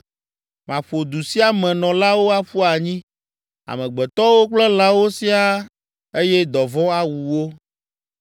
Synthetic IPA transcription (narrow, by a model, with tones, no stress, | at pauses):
mã˨ɸo˨d̪u˨si˦a˦mɛ̃˨nɔ̃˨la˦wo˦a˦ɸu˦a˨ɲĩ˦ | a̰˨mɛ̃˨ɡ͡bɛ˨t̪ɔ˦wo˦k͡plɛ˦la˦wo˦si˦a˦ | e˦jɛ˦d̪ɔ˨vɔ̃˦a˦wu˨wo˦